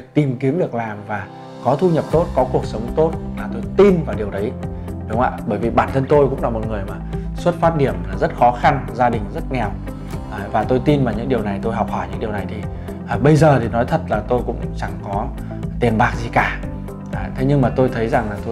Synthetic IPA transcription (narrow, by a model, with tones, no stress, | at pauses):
k̚t̪i˨˩mki˨˦əmvi˨˩ək̚laː˨˩mvaː˨˩ | kɔ˨˦t̪ʰu˧ɲə˨˩p̚t̪o˦˥t̚kɔ˨˦ku˨˩ək̚sə˨˦wŋ͡mt̪o˦˥t̚laː˨˩t̪o˧jt̪i˧nvaː˨˩ɗi˨˩əwɗə˨˦jɗʊ˨˦ŋ͡mʔa̰ː˧˨ɓəː˧˩jvi˨˩ɓaː˧˩nt̪ʰə˧nt̪o˧jkʊ̰˧˥ŋ͡mlaː˨˧˦mo˨˩t̚ŋɨ˨˩əjmaː˨˩swə˦˥t̚faː˦˥t̚ɗi˧˩əmlaː˨˩zə˦˥t̚xɔ˨˦xa˧nzaː˧ɗï˨˩ŋ̟zə˦˥t̚ŋɛ˨˩w | vaː˨˩t̪o˧jt̪i˧nmaː˨˩ɲɨ̰˧˥ŋɗi˨˩əwna˨˩jt̪o˧jɦwk͡p̚hɔ˧˩jɲɨ̰˧˥ŋɗi˨˩əwna˨˩jt̪ʰi˨˩ | ʔɓə˧jzəː˨˩t̪ʰi˨˩nɔ˨˦jt̪ʰə˨˩t̚laː˨˩t̪o˧jkʊ̰˧˥ŋ͡mt͡ɕa˧˩ŋkɔ˨˦ | t̪i˨˩ənɓaː˨˩k̚zi˨˩kaː˧˩ | ʔt̪ʰe˨˦ɲɨ˧ŋmaː˨˩t̪o˧jt̪ʰə˨˦jza˨˩ŋlaː˨˩t̪o˧